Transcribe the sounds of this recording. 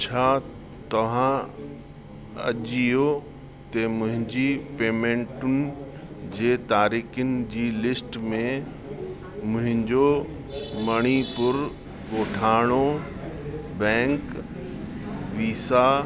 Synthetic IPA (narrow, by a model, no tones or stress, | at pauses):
t͡ɕʰaː | t̪ɐʋ̤ã | ɐ̰ʄijo | t̪emʊ̃ɦɪ̃ɲd͡ʑipeːmẽːɳʈʊnɪ̆ | d͡ʑeːt̪aːɾiːxʊnɪ̆d͡ʑiːlɪsʈmẽ | mʊ̃ɦɪ̃ɲd͡ʑo | mɐɽ̃ipʊɾ | ɠoːʈʰaːɽ̃o | bɛ̃ːŋk | ʋiːsaː